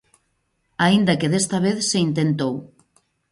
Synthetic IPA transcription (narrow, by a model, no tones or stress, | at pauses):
aind̪akeðest̪ɐβ̞eθseint̪ent̪ow